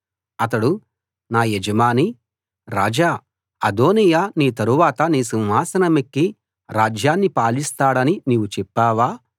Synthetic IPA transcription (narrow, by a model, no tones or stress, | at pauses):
ɐt̪̬ɐɽu | naːjed͡ʒɐmaːni | ɾa̰ːd͡ʒaː | ɐd̪oːnijaːniːt̪ɐɾuʋaːt̪ɐniːsinɦaːsɐnɐmekːi | ɾaːd͡ʒjaːnːipaːlist̪aːɽɐniniːʋut͡ʃɛpːaːʋaː